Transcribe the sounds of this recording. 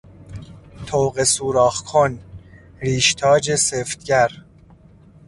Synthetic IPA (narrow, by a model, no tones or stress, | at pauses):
t̪ʰoːwɣesuːɾɒːxkʰon | ɾiːʃt̪ʰɒːd͡ʒeseft̪̚ɟæɾ